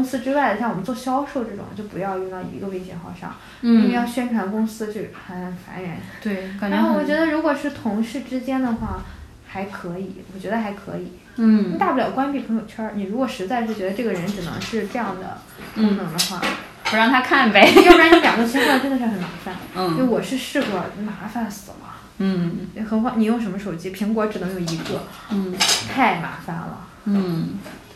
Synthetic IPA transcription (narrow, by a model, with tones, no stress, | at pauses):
kʊ˥ŋsɹ̩˥ʈ͡ʂɻ̩˥wa˥˩ɪd̪ə˩ɕjwɔ˨˩m˧˦nt͡swɔ˥˩ɕjɑ˥ʊʂo˥˧ʊʈ͡ʂɤ˥˩ʈ͡ʂʊ̰˨˩ŋt͡ɕjo˥˩ʊpu˧˥jɑ˥˧ʊy˥˧ŋt̪ɑ˥˩ḭ˧˥ɡə˧we˥˩ɪɕjɛ˧˥xɑ˥˩ʊʂɑ̰˥˩˦ŋ˥˩˥ | ə˧˥jɑ˥˩ʊɕɥɛ˥nʈ͡ʂʰwa˧˥nkʊ˥ŋsɹ̩˥t͡ɕjo˥˧ʂxə˨˩nfa̰˧˥nɥɛ˧˥nt̪we˥˩˧a˧˥nxo˥˩wɔ˨˩t͡ɕɥɛ˧˥d̪ə˧ɻu˧˥kwɔ˨˩ʂɻ̩˥˩t̪ʰʊ˧˥ŋʂɻ̩˥˩ʈ͡ʂɻ̩˥t͡ɕjɛ˥nd̪ə˨xwa˥˩ | xa˧˥ɪkʰɤ˧˥i˨˩˦wɔ˨˩t͡ɕɥɛ˧˥ə˧xa˧˥ɪkʰɤ̰˧˥i˨˩˦ | i˥t̪a˥˧pu˥˩ljɑ˨˩˥kwa˥npi˨˩pʰɤ˧˥ŋjo˨˩ʊt͡ɕʰə˥ni˨˩ɻu˧˥kwɔ˨˩ʂɻ̩˧˥t͡sa˥˧ɪʂɻ̩˥˩t͡ɕɥɛ˧˥d̪ə˧ʈ͡ʂɤ˥˩ɡə˩ɻə˧˥nʈ͡ʂɻ̩˨˩nɤ̰˧˥ŋʂɻ̩˥˧ʈ͡ʂɤ˥˧jɑ˥˩ŋd̪ə̰˩ | kʊ˥ŋnɤ˧˥ŋd̪ə˧xwa̰˥˩ | pɻɑ˥˩ŋt̪ʰa˥kʰa˥˩nbe˨˩ɪju˥ɻa˧˥ni˥ljɑ̰˨˩ŋd̪t͡ɕʰi˥nkwa˥˧˩ʈ͡ʂə˥nd̪ə˨˧ʂɻ̩˥˩xə˧˩˥nma̰˧˥fa˥˩n˥˧˥wɔ˨˩ʂɻ̩˥˧ʂɻ̩˥˧kwɔ˨˩ma˧˥fa˥nsɹ̩˨˩lɐ̰˦˥˩ | xə˧˩nxwɑ˧˥˩ŋni˨˩jo˥˩ʊʂ̬mə˧ʂo˨˩ʊt͡ɕi˥pʰi˧˥ŋkwɔ˧˥ʈ͡ʂɻ̩˨˩nɤ˧˥ŋjo˨˩i˧˥kɤ˥˩˥ | t̪ʰa˥˩ɪma̰˧˥fa̰˥nlə̰˩˥˩